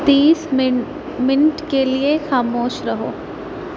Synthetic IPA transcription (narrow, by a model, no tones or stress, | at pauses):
t̪iːs | mɪnʈkeliexaːmoːʃɾɐɦo̰ː